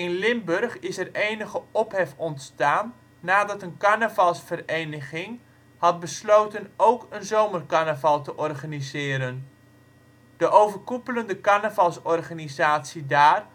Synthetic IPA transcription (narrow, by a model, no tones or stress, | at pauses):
ɪnlɪmbɵrχɪsɛrejnəχəɔpɦɛfɔntstaːnː | aːdɑtənkaɹnavɑlˠsfərejnəχɪŋ | hɑt̚bəslowtənowkənzowmərkanəvɑlˠtəʔɔrχanizɪːɾən | d̥əʔowvərkupələndəkaɹnəvɑlˠsɔrχanizaːtsidaːr